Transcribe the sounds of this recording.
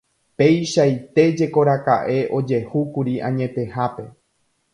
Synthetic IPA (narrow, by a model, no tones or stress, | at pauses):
pe̞jʃajt̪e̞d͡ʒe̞ko̞ɾaka̰ʔe̞ʔo̞d͡ʒe̞hukuɾiãɲẽ̞t̪e̞hape̞